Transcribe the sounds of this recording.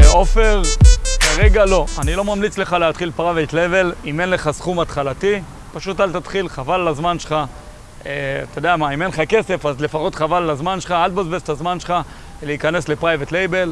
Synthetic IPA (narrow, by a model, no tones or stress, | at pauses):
eo̞fe̞ʁkaʁe̞ɡalo̞anilo̞mamlit͡sle̞χaleat̪χilpʁavet̪le̞ve̞lime̞nle̞χasχumat̪χalati | paʃutalt̪at̪χilχavalːazmanʃeχa | eat̪ajod̪eamaimenχake̞se̞fazle̞faχo̞t̪χavalːazmanʃe̥χaald̪bazbest̪azmanʃe̥χa | leikanesle̞pʁajvet̪le̞jbe̞l